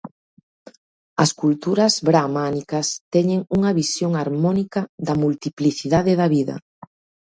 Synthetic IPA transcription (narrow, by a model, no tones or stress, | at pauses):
ɐskult̪uɾɐzβɾamanikɐst̪ɛɲeŋuŋɐβisjoŋaɾmɔnikɐðɐmult̪ipliθiðaðɪðɐβiðɐ̰